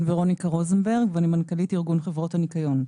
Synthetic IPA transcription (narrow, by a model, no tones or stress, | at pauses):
veʁo̞nikaʁozenbeʁɡvanimankalitiʁɡunχevʁo̞tanikajo̞n